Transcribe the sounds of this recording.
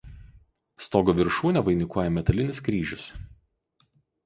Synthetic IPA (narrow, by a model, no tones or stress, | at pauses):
st̪oːɡɔʋʲɪɾʃuːnʲɛʋɐɪnʲɪkuɔjɛmʲɛt̪ɐlʲɪnʲɪskɾʲiːʒʲʊs